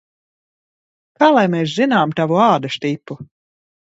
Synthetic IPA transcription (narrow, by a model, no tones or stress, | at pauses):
kaːlˠajmeːs̬zinaːmt̪avuaːd̪aʃt̪ipːu